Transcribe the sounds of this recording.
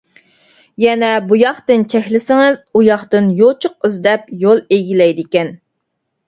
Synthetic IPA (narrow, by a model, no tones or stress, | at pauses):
jɛnɛbujɑχt̪ɨnt͡ʃʰɛxʲlɪsɪŋɨzujɑχt̪ɨnjot͡ʃʰʊq̚ɨzd̪ɛpjolˠeɡʲilɛjd̪ɪkʲɛn